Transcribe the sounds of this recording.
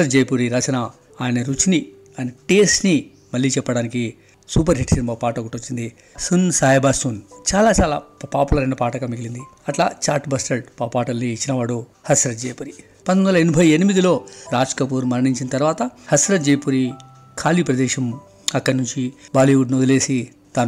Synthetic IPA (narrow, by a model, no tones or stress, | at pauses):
ɐt̪d͡ʒɐjpuːɾiɾɐt͡ʃɐna | aːjɐnɐɾut͡ʃini | aɐjnɐʈeːsʈni | mɐlːiːt͡ʃɛpːɐɽaːniki | suːpɐɾɦeʈsinimbapaːʈɐkuʈːot͡ʃːind̪i | sunsaːjɐbaːsuːnt͡ʃaːlaːt͡ʃaːla̰ːpaːpulɐɾɐnːɐpaːʈɐkɐmiɡilind̪i | ɐʈlaːt͡ʃaːɾʈbɐsʈɐɾʈpapaːʈɐlniːt͡ʃːinɐʋaːɽu | hɐsɾɐt̪̚d͡ʒejpuɾi | pɐnond̪ɐlɐenibʱɐjenimid̪ilo̞ːɾaːd͡ʒkɐp̬uːɾmɐɾɐɳiɲt͡ʃinɐt̪ɐɾʋaːt̪ɐhɐsɾɐt̪̚d͡ʒejpuɾi | kʰaːlipɾɐd̪ɛːʃɐm | ɐkːɐɽnuɲt͡ʃibaːliʋuɖnod̪le̞ːsi | t̪aːn